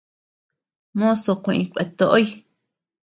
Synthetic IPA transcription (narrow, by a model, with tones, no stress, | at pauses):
mõ˦so˧kʷẽ˧˨ʔĩ˧kʷḛ˨˧t̪o˧ʔo˦i˧